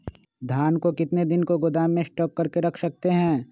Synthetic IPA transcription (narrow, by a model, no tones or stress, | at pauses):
d̪ʱaːnkokɪt̪ned̪ɪnkoɡʊd̪aːmːẽsʈɔːkːɐɾkeɾɐkʰsɐk̚t̪eɦɛ̃ː